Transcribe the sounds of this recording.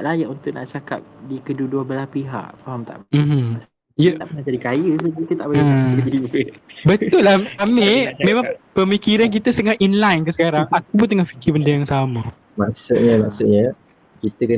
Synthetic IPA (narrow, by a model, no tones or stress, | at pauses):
t̪ʔlajaʔwuŋt̪uʔna̰ʔt͡ʃaka̰p̚dikəduduabəlapiɦa̰ʔpaamt̪a̰ʔm̩m̩ | jəaʔənad͡ʒadikajəs̬ukit̪ət̪a̰ʔbajasiəbət̪ʊlːahamemẽmaŋpəmikiɾank̬it̪əsəŋahʔinlajnkəsəkaɾaŋak̚upʊnt̪əŋahfi̥kibəndəjaŋsamə | maʔsuʔ̚ɲəmaksuɲə | kit̪əkə